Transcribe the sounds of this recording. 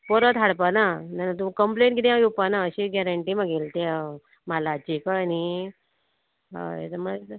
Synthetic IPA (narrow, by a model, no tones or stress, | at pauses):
pɔɾət̪ɦaɽpanananat̪umkəmpleɳʈkit̪eajupanaəɕiɡaɾəɳʈimaɡelt̪e | malaːt͡ɕikaani | ḛt̪əməɭ